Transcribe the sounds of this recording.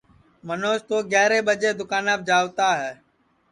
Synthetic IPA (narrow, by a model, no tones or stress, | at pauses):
mənoːʃt̪oːɡɛːɾeːɓəd͡ʒeːd̪ʊkaːnaəːb̚d͡ʒaːʋt̪aːɦɛː